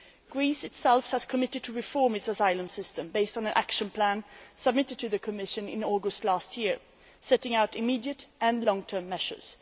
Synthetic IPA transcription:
ɡ̥ɹisɨtsɛlˠfhəz̥kʰəmɪɾɨd̚tʰɨɹɨfɔɹmɨtsəsaɪlˠə̃msɪstə̃mbeɪstn̩ə̃nʔæ̰kʃə̃npʰl̥æ̃nsəb̚mɪɾɨd̚tʰɨðɨkʰɨmɪʃɨ̃nɪ̰̃nɔɡəstˡlæst̚ʰjɪɹ | sɛɾɪ̃ŋaʊɾɨmidiɨɾɨ̃nlɔ̃ŋtʰɜ̃˞mːɛʃə̰˞z̥

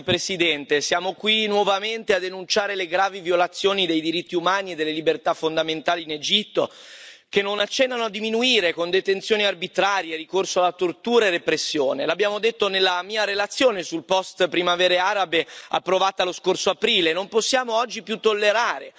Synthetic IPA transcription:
pɾesid̪ɛnt̪esjaːmokwinwɔvament̪ead̪enunt͡ʃaːɾeleɡɾaːvivjolat̪sːjoːnid̪ejd̪iɾit̪ːiumaːnied̪ːelːelibert̪afːond̪ament̪aːliːned͡ʒit̪ːokenːonat͡ʃːɛnːanoad̪ːiminuiːɾekond̪et̪ent̪sjoːniarbit̪ɾaːɾjeɾikorsoalːat̪ort̪uːɾaerːepɾesːjoːnelabːjaːmod̪et̪ːonelːamiːaɾelat̪sːjoːnesulpɔst̪pɾimavɛːɾeaːɾabea̰pːɾovaːt̪aloskorsoapɾiːlenomposːjaːmoɔd͡ʒːipjut̪ːolːeɾaːɾe

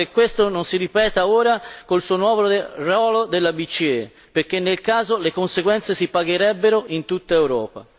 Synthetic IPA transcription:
ekːwest̪ononsiɾipɛːt̪aoːɾakolsuːonwɔːvɾorɔːlod̪elːabit͡ʃːie | peɾkːenːelkaːzolekonseɡwɛnt̪sesipaɡeɾɛbːeɾoʔint̪ut̪ːaewɾɔːpa̰

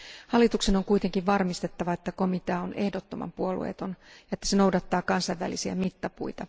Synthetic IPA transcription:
hɑlːit̪ukse̞no̞ŋkujt̪e̞ŋkiʋʋɑrmist̪e̞t̪ːɑʋɑet̪ːæko̞mit̪eɑone̞hdot̪ːo̞mɑ̰mpuolṵḛːt̪o̞njɑet̪ːæ̥seno̞wdɑt̪ːɑːkɑnsɑjʋːæ̰lisiæ̰mit̪ːɑpṵjt̪ɑ

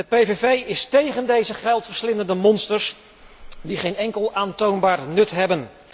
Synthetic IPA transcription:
əpejvevejɪstejχəndejzəχɛlˠtfəɹslɪnəndəmɔnstəɹs | diχejnɛŋkəlˠaːntownbaːrnɵtɦɛbən

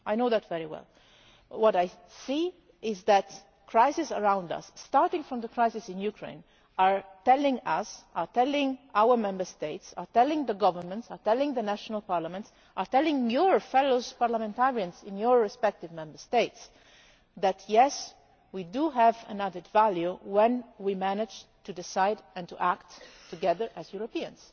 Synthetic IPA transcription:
ʔajnoʊðætvɛɹiwɛ̰l | wɔɾaj | si | ɪzðæt | kʰɹaɪsɪsəɹãʊ̃ndʌ̰sːtɑɹtɪ̃ŋfɹɔ̃mðəkʰɹaɪsɪsɪ̃njukʰɹḛ̃ɪ̃n | aɹtɛlɪ̃ŋʌsaɹtɛlɪ̃ŋawəɹmɛ̃mbə˞steɪtsa̰ɹtɛlɪ̃ŋðəɡʌvənmə̃ntsaɹtɛlɪ̃ŋðənæʃənəlˠpɑɹlamə̃nts | ʔaɹtɛlɪ̃ŋjɔɹfɛloʊzpaɹlamɛ̃ntaɹiãnzɪ̃njɔɹːɛspɛk̚tɪvmɛ̃mbəɹst̪eɪts | ðætʰjɛs | widuɦævæ̰̃nædɨdvæljuwɛ̃nwimænɪd͡ʒtudɪsaɪdɛ̃ntuʔækttʰuɡɛðə˞ʔæzjuɹopiə̃ns

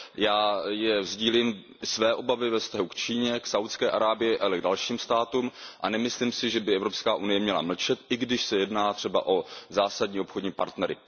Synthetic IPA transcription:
jaːjɛvzɟiːlim | svɛːʔo̞bavɪvɛfst̪aɦukt͡ʃiːɲɛksawt̪skɛːʔaɾaːbɪjɛʔalɛɡdalʃiːmst̪aːt̪uːmʔanɛmɪsliːmsɪʒɛbɪɛvɾopskaːʔunɪjɛmɲɛla̰ml̩t͡ʃɛt̪ʔɪɡdɪʃsɛjɛdnaːt̪r̝̥ɛba̰ʔo̞zaːsadɲiːo̞pxodɲiːpa̰ɾt̪nɛɾɪ̰

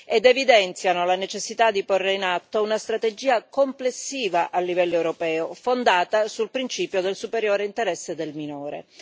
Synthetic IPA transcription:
ed̪evid̪ɛnt̪sjanolanet͡ʃesːit̪ad̪ːiporːeinat̪ːounast̪ɾat̪ed͡ʒiːakomplesːiːvaʔalːivɛlːoewɾopɛːofond̪aːt̪asulpɾint͡ʃiːpjod̪elsupeɾjoːɾeint̪eɾɛsːed̪elminoːɾḛ

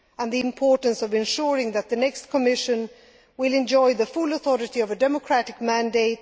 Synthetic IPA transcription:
ə̃nðiɨ̃mpʰɔɹʔn̩sʌvɨ̃nʃʊɹɪ̃ŋðɨt̪̚ðɨnɛkskʰəmɪʃɨ̃n | wɪlɨ̃nd͡ʒɔɪðəfʊlˠəθɔɹɨɾiʌvɨdɛməkʰɹ̥æɾɨk̚mæ̃ndeɪt̚

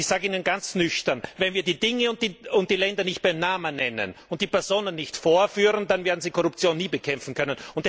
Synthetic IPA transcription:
ɪçz̥aːɡəiːnənɡant͡snʏçtɐnvɛnviːɐdiːdɪŋəʊnt̚d̥iːʊnt̚d̥iːlɛndɐnɪçt̚b̥aɪmnaːmənːɛnə̰nʊnt̚d̥iːpɛɐzoːnənːɪçtfoːɐfyːʁəndanveːɐdn̩z̥iːkʰɔʁʊp̚t͡sjoːnːiːbəkʰɛmfn̩kʰœnənʊnt̚

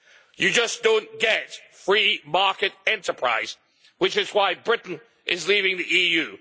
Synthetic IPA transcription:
jɨd͡ʒʌsd̥õʊ̃nɡ̥ɛtfɹimɑɹkɨɾɛ̃ntə˞pʰɹ̥a̰ɪz̥ | wɨt͡ʃɨzwaɪbɹɪʔn̩ | ʔɪzlivɪ̃ŋðiʔijʉ

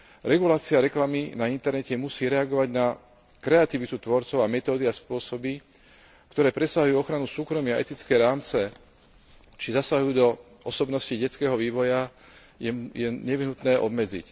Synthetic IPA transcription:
ɾɛɡulaːt͡siaɾɛklaminaint̪ɛɾnɛcɛmusiːɾɛaɡɔʋaɟna | kɾɛat̪iʋit̪ut̪ʋɔɾt͡sɔʊamɛt̪ɔːd̪iaspʊɔsɔbi | kt̪ɔɾɛːpɾɛsaɦujuːɔxɾanusuːkɾɔmiaʔɛ̰t̪it͡skɛːɾaːmt͡sɛ | t͡ʃizasaɦujuːd̪ɔ | ɔsɔbnɔsciɟɛt͡skɛːɦɔʋiːʋɔja | jɛjɛɲɛʋiɦnut̪nɛːʔɔ̰bmɛd͡zḭc

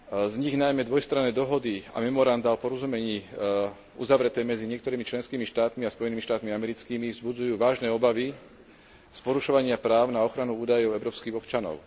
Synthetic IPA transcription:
zɲiɣnajmɛd̪ʋɔjst̪ɾanɛːd̪ɔɦɔd̪ia̰mɛmɔɾand̪aɔpɔɾɔzumɛɲiː | ṵzaʋɾɛt̪ɛːmɛd͡ziɲɪɛkt̪ɔɾiːmit͡ʃlɛnskiːmiʃt̪aːt̪miaspɔjɛniːmiʃt̪aːt̪miamɛɾit͡skiːmivzbud͡zujuːʋaːʒnɛːɔbaʋi | spɔɾuʃɔʋaɲɪapɾaːʊnaɔxɾanuuːd̪ajɔʊɛʊɾɔːpskiːɣɔpt͡ʃanɔ̰ʊ

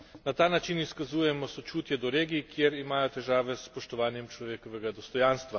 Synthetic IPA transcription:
nat̪aːnat͡ʃiniskazuːjɛmɔsɔt͡ʃuːt̪jɛd̪ɔɾeːɡikjeɾimaːjɔt̪ɛʒaːʋɛspɔʃt̪ɔʋaːnjɛmt͡ʃlɔʋeːkɔʋɛɡad̪ɔst̪ɔjaːnst̪ʋa

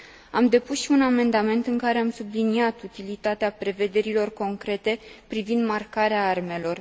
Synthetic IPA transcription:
a̰md̪e̞pusʃiuname̞nd̪ame̞nt̪ɨŋkaɾe̞amsubliniat̪ut̪ilit̪at̪eapɾe̞ve̞d̪e̞ɾilo̞rko̞ŋkɾe̞t̪e̞pɾivind̪markaɾeaarme̞lo̞r

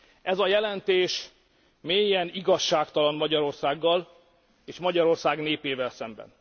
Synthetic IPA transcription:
ɛzɒjɛlɛnt̪eːʃ | meːjːɛniɡɒʃːaːkt̪ɒlɒnmɒɟɒɾo̞rsaːɡːɒl | eːʃmɒɟɒɾo̞rsaːɡneːpeːvɛlsɛmbɛ̰n

